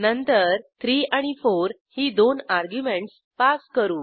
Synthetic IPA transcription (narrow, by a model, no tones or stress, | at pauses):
nənt̪əɾt̪ʰɾiːaɽ̃ifoɾ | hiːd̪onaɾɡjumeɳʈs | paskəɾuː